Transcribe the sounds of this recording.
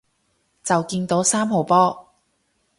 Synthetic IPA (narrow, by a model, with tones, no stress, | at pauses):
t͡sɐ˨wkiː˧nt̪o˨˥wsaː˥mɦo˨˩wpɔː˥